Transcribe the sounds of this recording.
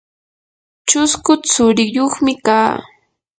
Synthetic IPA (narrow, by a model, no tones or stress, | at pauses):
t͡ʃʊskʊt͡sʊɾɪjoχmɪkaː